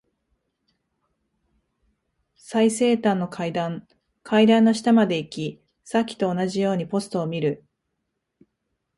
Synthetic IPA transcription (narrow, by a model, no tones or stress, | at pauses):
saise̞ːt̪ãnːo̞kʰaid̪ãŋ | kʰaid̪ãnːo̞ɕi̥t̪amad̪e̞ikʲi | sakʲːi̥t̪o̞ːnaʑijo̞ːɲ̟ipo̞sɨ̥t̪o̞ːmʲiɾɯ̟